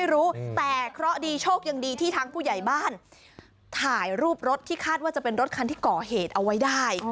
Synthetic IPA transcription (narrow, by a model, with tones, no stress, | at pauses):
jɾuː˦˥t̪ɛː˨˩kʰɾɔ˦˥diː˧t͡ɕʰoː˥˩k̚ja˧ŋdiː˧t̪ʰiː˥˩t̪ʰaː˧ŋpʰuː˥˩ja˨˩jbaː˥˩n | t̪ʰaː˨˩jɾuː˥˩p̚ɾo˦˥t̪ʰːiː˥˩kʰaː˥˩t̪̚waː˥˩t͡ɕa˨˩pe˧nɾo˦˥t̪̚kʰa˧nt̪ʰiː˥˩kɔː˨˩ɦeː˨˩t̪̚ʔa˧wːa˦˥jdaː˥˩j